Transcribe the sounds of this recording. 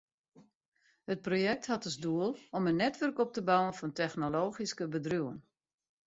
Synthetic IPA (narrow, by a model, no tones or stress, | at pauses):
hət̚projɛk̚thatəzduəlˠɔmənːɛtʋɵrkɔp̚təbawənfɔntɛxnoloːxiskəbədrjuwən